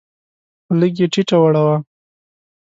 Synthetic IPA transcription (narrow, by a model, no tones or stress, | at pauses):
ləɡ̬jeʈiʈawaɽawa